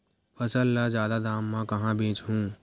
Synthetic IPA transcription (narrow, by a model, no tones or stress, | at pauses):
pʰɐsəlːazjaːd̪ad̪aːmːãkɐɦãbẽːt͡ʃɦũː